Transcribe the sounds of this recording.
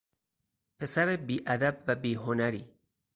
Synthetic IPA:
pʰe̞sæɾebiːʔæd̪æb̚væbiːɦonæɾiː

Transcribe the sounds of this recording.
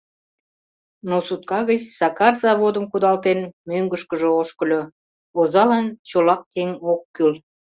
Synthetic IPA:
nosut̪̚kɑɣət͡ɕsɑkɑrzɑβod̪əmkud̪ɑlt̪enmøŋɡəʃkəʒəoʃkəlʲø | ozɑlɑnt͡ɕolɑk̚keŋokːyl

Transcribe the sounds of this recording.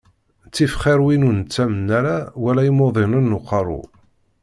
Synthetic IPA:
t͡sːifχɪɾwinunt͡sːæmənːæɾawælæjimoðˤɪnənːuqɑɾˤṵ

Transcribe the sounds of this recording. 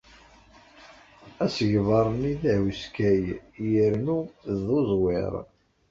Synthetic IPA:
æsəʝvɑɾˤniðæwiskæjjəɾnuðozˤwɪ̰ɾˤ

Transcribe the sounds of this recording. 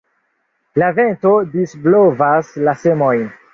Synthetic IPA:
lave̞nto̞disblo̞vaslase̞mo̞jn

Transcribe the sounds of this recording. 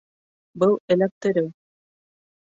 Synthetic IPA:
bɤlˠɘ̆læp̚t̪ɘ̆ɾɘw

